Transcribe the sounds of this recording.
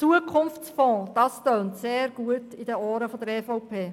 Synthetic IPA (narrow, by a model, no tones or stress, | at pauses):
t͡suəkʰχʊnft͡sfɔ̃ːd̥ɑstœːntseːɾɡ̥uətidəɔːɾəfɔd̪əɾɛfɔʊpʰeː